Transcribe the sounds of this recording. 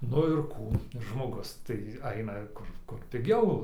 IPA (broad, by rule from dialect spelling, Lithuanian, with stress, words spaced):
ˈnʊ ɪr ˈkuː ʒmoːˈɡʊs tɐɪ ˈɐɪnɐ ˈkʊr ˈkʊr pʲɪˈɡʲɛʊ